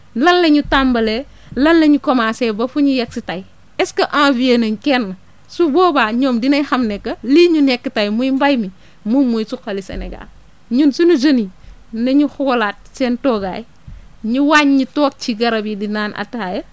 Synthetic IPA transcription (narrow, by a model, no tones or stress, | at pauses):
lɐnlɐɲutambɐle | lɐnlɐɲukɔmasɛbɐfuɲujɛk̚sitaj | ɛskɐʔãːvienɐŋkɛnːɐ | subɔːbaːɲɔːmdinɐjhɐmnɛkːɐliːɲunɛkːətajmujmbajmi | mumujsukːɐlisḛnɛɡa̰l | ɲunsunud͡ʒɐni | nɐɲuxuɡlat̚sɛntɔːɡaːj | ɲuwaɲɲutɔːk̚t͡ʃiɡɐɾɐbidinaːnɐ̰taːjɐ